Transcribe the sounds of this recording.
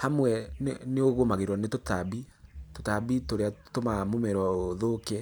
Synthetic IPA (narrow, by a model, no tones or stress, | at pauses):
hamwɛnneoɣomaɣeɾwɔnetotabitotabitoɾeatomamomɛɾwaoðokɛ